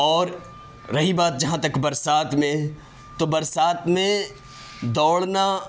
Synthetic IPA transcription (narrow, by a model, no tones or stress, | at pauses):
ɔːɾː | ɐɦibaːt̪̚d͡ʒɐɦãt̪ɐkbɐɾsaːt̪mẽ | t̪obɐɾsaːt̪mẽ | d̪ɔːɽna